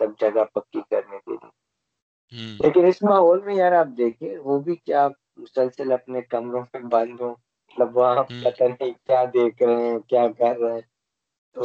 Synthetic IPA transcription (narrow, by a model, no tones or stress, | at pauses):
t̪lɐb̚d͡ʒɐɡapɐkːikɐɾnekḛlie | lʔeːkɪnɪsmaːɦɔːlmẽjaːɾaːp̚d̪eːkʰẽːʋoːbʱikja | mʊsəlsəlɐpnekɐmɾõmẽbɐ̃nd̪ʱõː | mɐt̪ləbʋɐɦãpɐt̪anĩkjaːd̪eːkʰɾɐɦɛ̃kjaːkɐɾːɛɦɛ̃ | t̪o